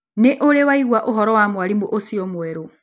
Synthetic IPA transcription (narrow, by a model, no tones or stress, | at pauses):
nɛʔɔlɛwaiɡwaʔɔɦɔɾɔwamualimuʔosiɔmuwɛːɾu